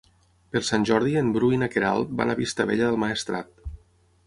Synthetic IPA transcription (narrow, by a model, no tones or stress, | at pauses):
pəɾsanʲʒɔɾðiembɾujnakeɾa̰lˠt̪̚ba̰naβist̪əβeʎəðəlˠmaest̪ɾa̰t̪̚